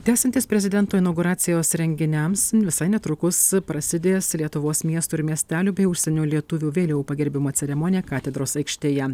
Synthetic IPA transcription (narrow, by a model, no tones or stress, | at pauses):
d̪ʲæːsʲɛnt̪ʲiːspʲɾʲɛzʲɪd̪ʲɛnt̪oːɪnɐʊɡuːɾɑːt̪sʲɪjoːsɾʲɛŋʲɡʲɪnʲɛmsʋʲɪsɐɪnʲɛt̪ɾʊkʊspɾɐsʲɪd̪ʲeːslʲiɛt̪ʊʋoːsmʲiɛst̪uɪɾmʲiɛsʲt̪ʲæːlʲuːbʲɛɪʊʃʲsʲɛnʲuːlʲiɛt̪ʊʋʲuːʋʲeːlʲɛʊpɐɡʲɛɾʲbʲɪmoːt̪sʲɛɾʲɛmoːnʲɪjɛkɑːt̪ʲɛd̪ɾoːsɐɪkʃʲt̪ʲeːjɛ